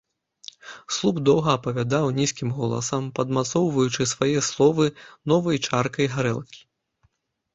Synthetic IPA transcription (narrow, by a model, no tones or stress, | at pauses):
slˠuxd̪ɔwɣɐːpɐvʲad̪awnʲiskʲimɣɔlˠɐ̰sɐmpɐd̪mat̪sɔwvɐjut͡ʂɨsvajɛslˠɔvɨnɔvɐjt͡ʂarkɐjɣaɾɛ̰lˠkʲi̥